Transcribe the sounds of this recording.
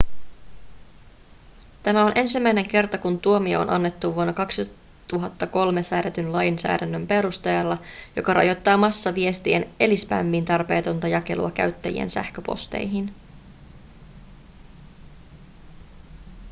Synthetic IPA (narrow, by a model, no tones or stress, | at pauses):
t̪æmæo̞nʔe̞nsimːæjne̞ŋk̟e̞rt̪ɑkunt̪uo̞mio̰o̰nʔɑ̰nːe̞t̪ːuʋuonːɑkɑksi | t̪uɦɑt̪ːɑko̞lme̞sæːdæt̪ynlɑjnsæ̰ːdɾænːømpe̞ɾust̪ejɑlːɑjo̞̰kɑrɑ̰jo̞jt̪ːɑːmɑsːɑʋie̞st̪iene̞lispæ̰mːint̪ɑrpe̞ːt̪o̞nt̪ɑjɑke̞̰lṵɑkæ̰ɥt̪ːæ̰jḭḛnsæ̰hkøpo̞̰st̪ḛjɦin